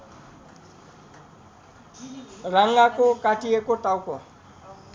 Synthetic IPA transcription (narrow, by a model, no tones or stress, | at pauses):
raŋ̩akʼʊkʼatiekʼʊtʼaukʼɔ